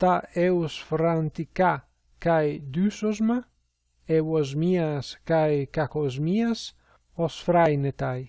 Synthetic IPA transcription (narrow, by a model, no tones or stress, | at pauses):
t̪aewsfɾant̪ika | kajd̪ysozma | ewozmiaskajkakozmias | osfɾajnet̪aj